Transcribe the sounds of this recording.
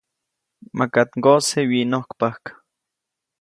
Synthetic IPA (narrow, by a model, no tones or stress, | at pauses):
makat̪ŋɡosewinohkpahkḁ